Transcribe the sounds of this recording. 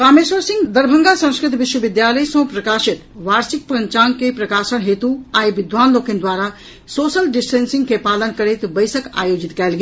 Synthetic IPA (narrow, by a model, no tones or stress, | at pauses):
kaːmeswəɾsɪ̃ŋɡd̪əɾbʱə̃ŋɡasə̃skɾɪt̪ʋɪʃwəʋɪd̪jaːləjsɔ̃pɾɐkaːʃɪt̪ʋaːɾsɪk̚pə̃ɲt͡ʃaːnkepɾəkaːsənɦeːt̪uaːibɪd̪ʋaːnloːkɪ̃nd̪waːɾa | soːsəlɖɪsʈeːnsɪ̃ŋɡkepaːlənkəɾet̪bəɪsəka̰ːjoːd͡ʒɪt̪kɛːlɡe